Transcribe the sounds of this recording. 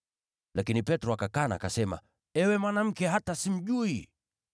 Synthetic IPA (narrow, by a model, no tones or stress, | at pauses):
lʔakinipɛtɾɔakakana̰ːkasɛma̰ | ɛwɛmwanam̩kɛɦatasim̩ʄui